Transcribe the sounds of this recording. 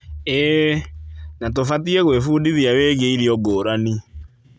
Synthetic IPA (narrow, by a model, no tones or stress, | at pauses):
ɛ | nat̬ofatiɛɣwefuːdiðiaweːɣeiɾiɔɡoːɾani